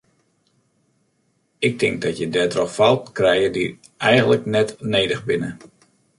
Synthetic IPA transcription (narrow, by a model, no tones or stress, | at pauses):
ɪk̚tɪŋk̚dɔtjədɛtrɔxfalˠtkrɛjədi | ʔɛjɣənləknɛtneːdəxbɪnə